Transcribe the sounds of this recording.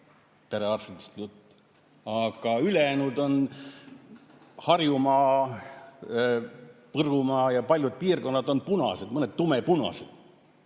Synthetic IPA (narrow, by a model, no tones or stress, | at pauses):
t̪eɾeɑrst̪ɑt̪ist̪ut̪ː | ɑɡ̥ɑylenud̪o̞n | hɑrjumɑː | pɤrumɑːjɑpɑlʲjud̪̥̚piːrko̞nːɑd̪o̞npunɑ̰sed̪mɤne̞d̪̥t̪ːumepunɑ̰sed̪̥